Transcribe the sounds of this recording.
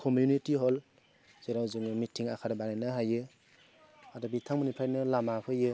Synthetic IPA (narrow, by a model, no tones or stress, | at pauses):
kʰɔmjunitiɦɔl | zeɾawzuŋmitʰiŋakʰaɾɯbananɯɦajɯ | adɔbitʰaŋmɯnipʰɾajnɯlamapʰɯjɯ